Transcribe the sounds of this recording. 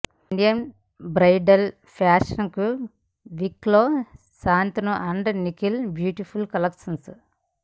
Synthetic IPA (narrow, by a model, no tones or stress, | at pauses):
iɳɖijɐn | bɾɐjɖɐl | pʰaːʂɐnku | ʋikloː | saːnt̪unuʔɐɳɖnikilbjuːʈipʰulkɐlɐkʂɐns